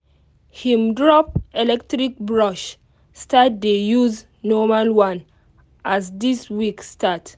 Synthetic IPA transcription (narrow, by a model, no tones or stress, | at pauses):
hĩmdɹɔp̚ɛlɛktɹik̚bɹɔʃ | stat̚dejuz | nɔmalwãn | ʔasdiswikstat